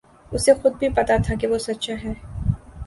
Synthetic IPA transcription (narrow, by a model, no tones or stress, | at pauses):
ʊsexʊd̪̚bʱipɐt̪at̪ʰakiʋosɐtːʃaɦɛː